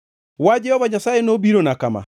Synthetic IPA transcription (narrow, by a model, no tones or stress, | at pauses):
wad͡ʒɛhɔβaɲasajenobiɾonakama̰